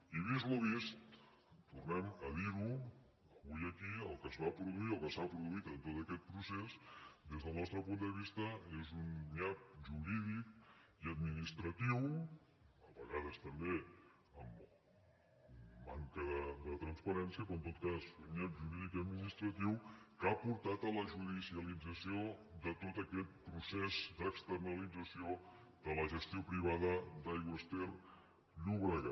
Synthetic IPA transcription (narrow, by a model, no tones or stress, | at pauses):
iβ̞izluβ̞ist̪ | t̪urnɛməðiɣu | əβujəkiəlˠkəzβapɾuðuit̪ɔlkəsapɾuðuit̪ənt̪ot̪əkɛt̪̚pɾusesd̪ezðəlˠnɔst̪ɾəpund̪əβ̞ist̪əezunɲat̪̚ʒuɾiðikiəd̪minist̪ɾət̪iw | əβəɣaðəst̪əmbe | əm | aŋkəðəd̪ət̪ɾənspəɾɛnsiəpɾoənt̪ot̪̚kazuɲat̪ʒuɾiðikiəd̪minist̪ɾət̪iwkapuɾt̪at̪ələʒuðisiəlid͡zəsioðət̪ot̪əkɛt̪̚pɾusɛzd̪əkst̪ərnəlid͡zəsio | ðələʒəst̪iopɾiβ̞aðəd̪ajɣwəst̪ɛr | ʎuβɾəɣa